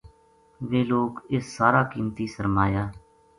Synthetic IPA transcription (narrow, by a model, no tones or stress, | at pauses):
ʋeːloːkɪssaːɾaːkiːmt̪iːsəɾmaːjaː